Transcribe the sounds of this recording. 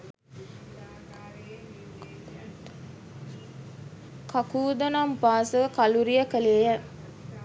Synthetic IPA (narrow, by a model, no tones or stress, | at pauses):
kakuːd̪ənampaːsəkaluɾijəkəleːjə